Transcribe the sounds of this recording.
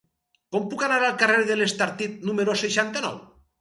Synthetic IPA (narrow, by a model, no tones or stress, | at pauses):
kompukanaɾalˠkareɾðelest̪aɾt̪it̪̚numeɾoseʃant̪anɔ̰w